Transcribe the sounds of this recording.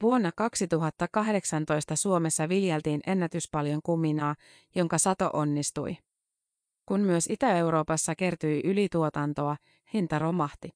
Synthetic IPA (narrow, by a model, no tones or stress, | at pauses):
ʋuonːɑkɑksit̪uɦɑt̪ːɑkɑɦde̞ksɑnt̪o̞jst̪ɑsuo̞me̞sːɑʋiljelt̪iːne̞nːæt̪yspɑljo̞ŋkumːinɑː | jo̞ŋkɑsɑt̪o̞̰ʔo̞nːist̪ṵj | kunmyøsit̪æe̞uɾo̞ːpɑsːɑke̞rt̪ujʔylit̪uot̪ɑnt̪o̞ɑ | hint̪ɑɾomɑht̪i